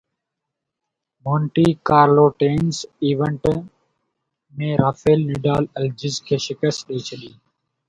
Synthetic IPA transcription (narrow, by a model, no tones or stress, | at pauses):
moːɳʈiːkaːɾloːʈeːnsiːʋəɳʈ | mẽːɾaːfeːlːɪɖaːləld͡ʒɪzkʰeːʃɪkəst̪ɗeːt͡ʃʰəɗiː